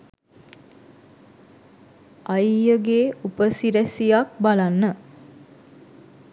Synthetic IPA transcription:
ʔajjəɡeːupəsiɾæsijak̚balanːə

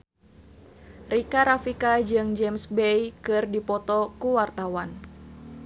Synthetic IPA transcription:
rikaɾafikad͡ʒɨŋd͡ʒɛmsbɛjkɨrdipɔt̪ɔkuwart̪awan

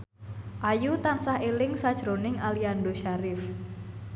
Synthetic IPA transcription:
ʔajut̪ansahelɪŋsad̥ʒ̥ɾonɪŋaliandoʃaɾɪf

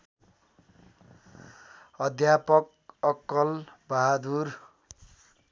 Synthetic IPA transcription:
ʌd̪ʱjapʌk̚ | ʌkːʌlbaɦad̪ur

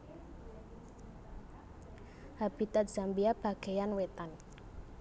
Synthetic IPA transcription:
hab̥it̪at̪̚ʒ̥a̤mbiab̥a̤ɡ̥e̤janwet̪an

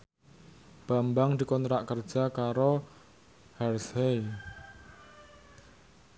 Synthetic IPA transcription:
b̥a̤mbaŋd̪i̤kɔnt̪ɾaʔkərd̥ʒ̥a̤kaɾo | hɛrshe

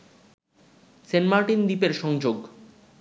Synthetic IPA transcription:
senmaɾʈind̪ipeɾʃɔŋd͡ʑoɡ

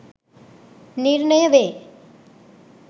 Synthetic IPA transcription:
niɾɳəjəʋeː

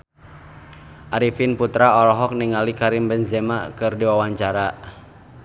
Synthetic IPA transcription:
ʔaɾifinput̪ɾaɔlɔɦɔk̚niŋalikaɾimbɛnzɛmakɨrdiwawaɲt͡ʃaɾa

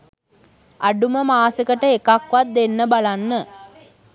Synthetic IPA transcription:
aɖuməmaːsəkəʈəekakʋat̪̚d̪enːəbalanːə

